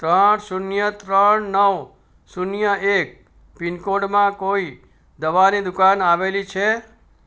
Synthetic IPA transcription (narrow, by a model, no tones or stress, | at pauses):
t̪ɾəɳsunjət̪ɾəɳnəʋ | sunjəek̚ | pinkoɖmãkoi | d̪əʋanid̪ʊkanaʋelit͡ʃʰe